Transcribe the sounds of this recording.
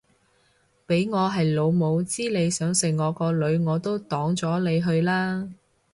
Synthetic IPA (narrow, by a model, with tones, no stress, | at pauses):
pe˨˥jŋɔː˨˧ɦɐ˨jlo˨˧wmo˨˧wt͡siː˥le˨˧jsœː˨˥ŋsɪ˨˩ŋŋːɔː˨˧kɔː˧lɵ˨˧ɥŋɔː˨˧t̪o˥wt̪ɔː˨˥ŋt͡sɔː˨˥le˨˧jɦɵ˧ɥlaː˥